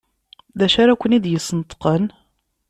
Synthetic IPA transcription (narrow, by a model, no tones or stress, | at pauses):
ðæʃaɾækʷːənid̪jəsənət̪qən